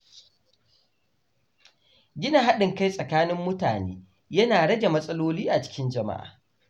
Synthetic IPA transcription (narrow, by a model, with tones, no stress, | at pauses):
ɡʲɪ˦na˨ɦa˦ɗɪ˨ŋka˦jsʼɐ˨kaː˦nɪ˦mːʊ˦ta̰ː˨neː˦ | jɐ˦naː˨ɽɐ˦ɡʲe˨mɐ˦sʼɐ˦loː˦liː˦ʔa˨t͡ʃɪ̥˦kʲɪ˦nd͡ʒɐ˨ma̰˦ʔa̰ː˨